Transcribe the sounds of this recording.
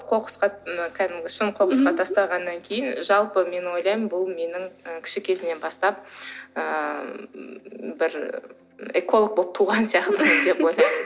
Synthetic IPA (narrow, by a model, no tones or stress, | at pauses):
qʰo̞qə̥sqɑəkʲʰæd̪ɪmɡʲɪʃənqʰo̞qəsqɑt̪ʰɑst̪ɑʁɑnːɑŋkʲʰe̞jɪnʒɑlˠpəme̞nwo̞jlˠɑjmənbʊlˠme̞nɪŋəkʲʰɪ̥ʃɪkʲʰe̞zɪne̞nbɑst̪ɑp̚ə | bɪɾ | eko̞lˠok̚bo̞p̚t̪ʰuʁɑnsijɑqt̪əməd̪e̞pwo̞jlˠɑjm